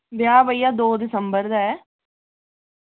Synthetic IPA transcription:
ʋjaːbəijaːd̪oːd̪ɪsəmbəɾd̪aɛː

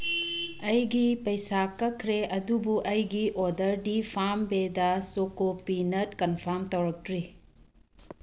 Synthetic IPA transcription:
ɐjɡipɐjsakːɐkʰɾeɐdubuʔɐjɡiʔodɐɾdipʰambedɐsokopinɐtkɐnpʰaɾmtɐwɾɐk̚tɾi

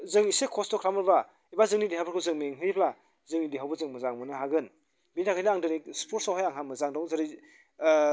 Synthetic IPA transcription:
zɯŋisekʰɔstɔkʰɾamɯɾba | ibazɯŋniliɦawbaɾkʰɯwzɯŋmeŋɦɯjpʰla | zɯŋniliɦawbɯzɯŋmɯzaŋmɯnɯɦaɡɯn | bintʰakʰajnaaŋdɯnik̚spʰotsawɦajaŋɦamɯzaŋdɔŋzaɾi

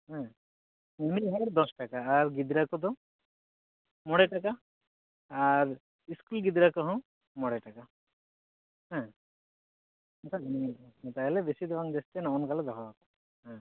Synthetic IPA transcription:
ɦɛ̃ | nɛmilɦaɾd̪ɔsʈakaːɾɡid̪ɾakɔd̪ɔ̃ | mɔɽeʈakaː | ɾ | iskulɡid̪ɾakɔɦɔ̃ | mɔɽeʈaka | ɦɛ̃ | nt̪ʰanĩt̪aɦɛlɛbesid̪ɛʋaŋd͡ʒ̪ɛst̪ɛnɔɔnkalɛd̪ɔɦɔat̪a | ɦã

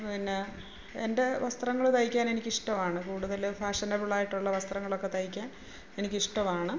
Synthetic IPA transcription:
pinːe | ende̞ʋɐst̪rɐŋːɐɭt̪ɐjikʲːaːne̞nikʲːiʂʈɐmaːɳɨkuːɽuðɐlfaːʂɐnɐbuɭaːjiʈːuɭːɐʋɐst̪rɐŋːɐɭo̞kːe̞t̪ɐjikʲːaːn | enikʲːiʂʈɐmaːɳɨ

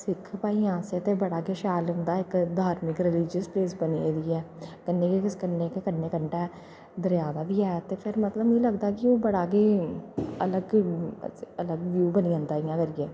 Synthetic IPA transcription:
sɪkʰpaːiːãːset̪eːbəɽaːkeːʃaːlʊ̃ːnd̪aːɪkd̪ʱaːɾmɪkɾɪliːd͡ʒəspleːsbənieːd̪iːɛːkənːeːkikɪskənːeːkekənːeːkəɳʈɛː | d̪əɾjaːd̪aːd̪iːɛːt̪eːpʰɪɾmət̪ləbləɡd̪aːkɪoːbəɽaːkeː | ələɡ | ələɡʋjuːbəniːõːnd̪aːijãːkəɾiːɛː

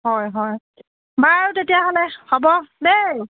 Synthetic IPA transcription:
ɦɔjɦɔj | baɹutetijaɦɔlɛhɔbɔnej

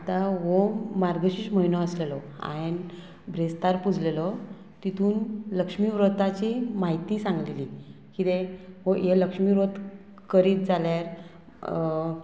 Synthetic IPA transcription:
at̪aɦomaɾɡəɕiːɕməɦinɔəslelɔ | a̰n | bʱɾest̪aɾpud͡zʱlelɔ | t̪it̪ʰuːnləkʂmiːʋɾot̪at͡ɕimaɦit̪iːsãŋɡleli | kit̪ẽɦojeləkʂmiʋɾot̪ | kəɾiːt̪̚d͡zaljaɾ

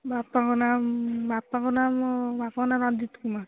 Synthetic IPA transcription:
bapakɔnambapakɔnamɔbapakɔnaɾɔnd̪it̪kuma

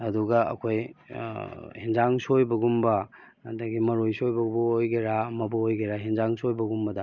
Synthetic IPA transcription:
ɐduɡɐɐ̰kʰoj | hind͡ʒaŋsojbɐɡumbɐː | dɐɡimɐɾojsojbɐbuojɡeɾaɐmɐbɐojɡeɾaɦind͡ʒaŋsojbɐɡumbɐdɐ

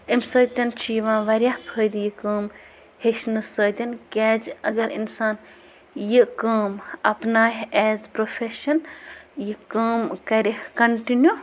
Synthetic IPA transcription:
imsɐːt̪ʲɐnt͡ʃʰijiʋãːʋɐɾjahpʰəjd̪jikəːm | heʃnɨsəːt̪ʲɐnkʲɛːd͡ʒɐɡɐɾḭnsaːn | jikəːmɐpnaːɦɛːzpɾopʰeʃɐnjikəːmkɐɾikɐɳʈinju

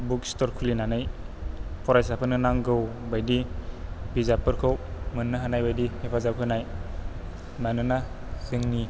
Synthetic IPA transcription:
bukstɔɾkʰulinanɯj | pʰɔɾajsapʰɯnɯnaŋɡɯwbajdi | bizapɯɾkʰɯwmɯnːɯɦanajbajdihepʰazakʰɯnaj | nanɯna | sɯŋni

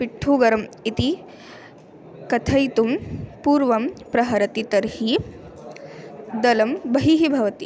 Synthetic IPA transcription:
piʈʰːuːɡɐɾɐmit̪i | kɐt̪ʰɐjt̪umpuːɾʋɐmpɾɐɦɐɾɐt̪it̪ɐɾhi | d̪ɐlɐmbɐɦiɦibʱɐʋɐt̪i

